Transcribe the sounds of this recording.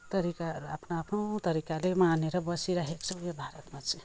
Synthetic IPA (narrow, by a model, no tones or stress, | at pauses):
t̪ʌɾikaɾa̰pʰnaapʰnowt̪ʌɾikalemaneɾʌbʌsiɾaɦekt͡sʰʌwjebʱaɾʌt̪mat͡sʰĩ